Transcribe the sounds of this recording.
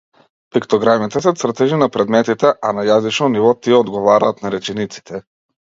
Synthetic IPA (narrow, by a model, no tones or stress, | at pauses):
pikt̪ɔɡɾamit̪ɛsɛt̪sɾt̪ɛʒinapɾɛd̪mɛt̪it̪ɛʔanajazit͡ʃnɔnivɔt̪iɛɔd̪ɡɔvaɾaːt̪naɾɛt͡ʃɛnit̪si̥t̪ʰɛ